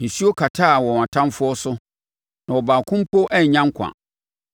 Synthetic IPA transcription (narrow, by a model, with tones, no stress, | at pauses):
n̩˨si˦o˦kʰa˨tʰaː˦˨wɔ˨a˨tʰã˦mfʊ˦ɔ˦sʊ˦ | nã˨wɔ˨baː˨kʰʊ̃˦m˦pʰo˦ʔɛ˦ɲ˨ɲã˦ŋ˦kʷʰã̰˨